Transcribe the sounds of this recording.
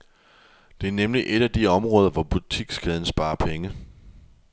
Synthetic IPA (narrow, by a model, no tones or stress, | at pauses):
d̥e̝æɐnemliʔe̝ɾ̥æd̥iɒ̽mʁɔ̽ːð̞ˠɐʋɒb̥ut͡sʰiɡ̥sɡ̥ɛð̞ˠn̩sb̥ɑ̈ːɐpʰeŋə